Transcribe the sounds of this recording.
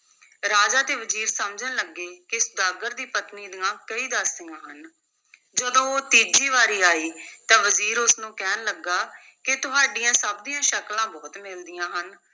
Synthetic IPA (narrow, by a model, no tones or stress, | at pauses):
ɾaːd͡ʒaːt̪eːʋəziːɾsəmd͡ʒənləɡːeːkɪsd̪aːɡəɾd̪iːpət̪niːd̪ɪãːkəiːd̪aːsɪjãːɦən | d͡ʒəd̪õːoːt̪iːd͡ʒiːʋaːɾiːaːiːt̪ãːʋəziːɾʊsnũːkɛːnləɡaː | kɪt̪ʊɦaːɖijãːsəb̚d̪ijãːʃəklãːbɔːt̪mɪld̪ɪjãːɦən